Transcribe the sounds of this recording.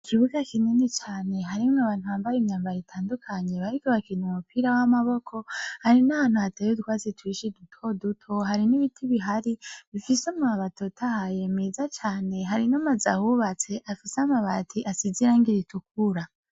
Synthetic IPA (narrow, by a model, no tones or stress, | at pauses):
ikiβuɡakininet͡ʃaːne̞ɦaɾimŋaβaːn̥uβambajemɲaːmbajitʰaːndukʰaɲe̞βaɾikoβakinumupiːɾawamaβo̞kʰo̞haɾinaβaːn̥uatajodukwaːzetwiːʃidutʰo̞dutʰo̞ɦaɾiniβitʰiβiɦaɾiβifisamaβato̞tʰahaje̞mezat͡ʃaːne̞ɦaɾinamazahuβat͡se̞ʔafisamaβatʰiʔasiziɾaːŋɡiɾituk̚uɾa